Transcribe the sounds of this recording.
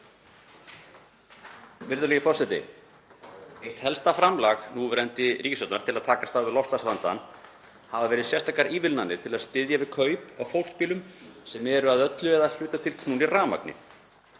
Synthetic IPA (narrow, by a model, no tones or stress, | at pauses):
vɪɾðʏlɛjɪfɔrsɛt̪ɪ̰ | ejht̪hɛlst̪afɾamlaxnuvɾɛnt̪ɪɾiːcɪsɔwt̪naɾ̥t̪ʰɪlaðt̪ʰaːkast̪aːwvɪðlɔfsasvant̪a̰n | havavɛːɾɪðsjɛst̪akaɾiːvɪlnanːɪ̥t̪ʰɪlaðst̪ɪðjavɪðkʰœːɥpawfowl̥spiːlʏmsɛmɛɾʏaðœt̪lʏɛðaðl̥jʏːt̪at̪ʰɪlkʰnuːniraːma̰knɪ̰